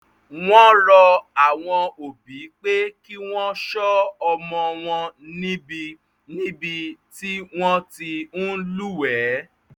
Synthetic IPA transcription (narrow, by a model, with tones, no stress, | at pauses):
w̃ɔ̃˦lɔ˧a˨w̃ɔ̃˧o˨bi˨˦k͡pe˦ki˦w̃ɔ̃˦ʃɔ˦ɔ˧mɔ̃˧w̃ɔ̃˧nĩ˦bi˧ | nĩ˦bi˧ti˦w̃ɔ̃˦ti˧nũ˦lu˦˨wɛ˨˦